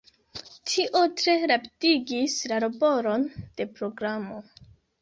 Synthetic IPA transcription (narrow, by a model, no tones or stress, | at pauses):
tʰiʔo̞tɾe̞ɾaptiɡislaɾobo̞ɾo̞nd̥e̞pɾo̞ɡɾamo̞